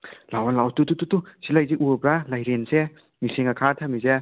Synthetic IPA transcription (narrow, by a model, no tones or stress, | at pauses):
lawanlawtutututusilajziʔubɾalajɾense | miseŋɐkʰatʰamize